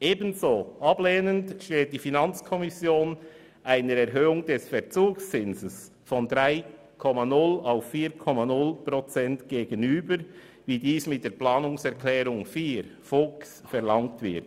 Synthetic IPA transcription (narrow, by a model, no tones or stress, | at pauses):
ʔeːbənzoːʔɑbleːnəntʃteːt̚d̥ifinɑnt͡skʰɔmɪsjoːn | ʔaɪnəɾɛʁɦøːʊŋd̥ɛsfɛɐʁt͡suːkst͡sɪnzəs | fɔndʁaɪ | kʰɔmanʊlaʊfːiːkʰɔmanʊlpʁɔt͡sɛntɡ̥eːɡənyːbəɾ | viːdiːsmɪt̚d̥eːplɑːnʊŋsɛʁkʰlɛːɾʊŋfiːɾfʊksfɛʁlɑŋtvɪɐt